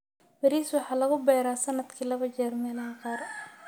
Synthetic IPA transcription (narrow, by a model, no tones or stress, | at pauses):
bɐɾiːswɑħɑːlɐɣʊbɛːɾaːsɐnɐd̪kʰiːlɐβɐt͡ʃɛːrmɛːlɐɦɐqɑːr